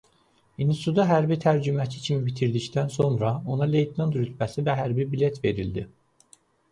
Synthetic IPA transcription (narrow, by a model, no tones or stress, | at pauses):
insud̪ɑɦæɾbit̪ʰæɾd͡ʒymæcʰi̥cʰimibit̪ʰiɾd̪ict̪ʰænso̞nɾɑo̞nɑle̞jt̪ʰnɑnd̪ɾyt̪ʰvæsivæɦæɾbibilet̪ʰve̞ɾild̪i